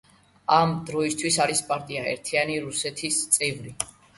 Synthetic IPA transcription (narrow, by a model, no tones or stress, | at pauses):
amd̪ɾɔist̪ʰwisaɾispʼaɾt̪ʼiaɛ̰ɾt̪ʰianiɾusɛt̪ʰist̪sʼɛvɾi